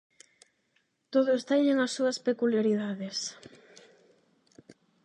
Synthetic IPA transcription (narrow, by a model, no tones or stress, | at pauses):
t̪oðost̪ɛɲẽŋɐsːuɐspekuljaɾiðaðes